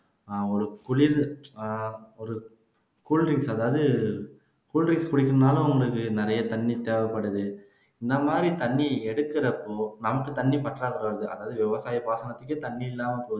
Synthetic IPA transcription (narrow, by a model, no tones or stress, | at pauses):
ɔɾɯkʊɭɪɾ | ɔɾɯ | kuːlɾɪŋsɐðaːʋɐðɯ | kuːlɾɪŋskʊɽɪkːɯɾɐnaːlʊ̃ʊŋɡɐɭɯkːɯnɪɾɐjɐt̪ɐɳːit̪eːʋɐpːɐɽːɯðɯ | ɪnd̪ɐmaːd̪ɾit̪ɐɳːiɛɽɯkːɯɾɐpːoːnɐmɐkːɯt̪ɐɳːipɐʈːraːɣɯɾɐʋɾɐðɯʔɐ̰ðaːʋɐðɯʋɪʋɐsaːjɐpaːsɐnɐt̪ːɯkːɯt̪ɐɳːijɪlːaːmɐpːɾ